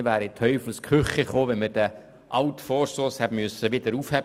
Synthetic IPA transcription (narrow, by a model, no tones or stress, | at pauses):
ʋæːɾit̪ʰœʏfluskχʏχɛχoːʋɛnməɾd̥ə | ʔɑʊtfɔːɾsoshɛbmyøsːəʋɪd̪əɾuːfhɛb